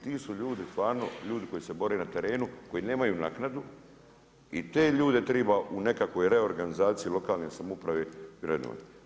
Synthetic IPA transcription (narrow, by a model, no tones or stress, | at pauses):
t̪iːsuʎuːd̪ist̪ʋaːɾnoʎuːd̪iko̞jise̞bo̞ɾeːnat̪eɾe̞ːnuko̞jine̞ːmajunaːknad̪u | it̪e̞ːʎuːd̪e̞t̪ɾebaʔune̞kakʋo̞jɾe̞o̞ɾɡanizaːt̪siilo̞kaːlnesamoupɾaʋeɾeno̰a̰t̪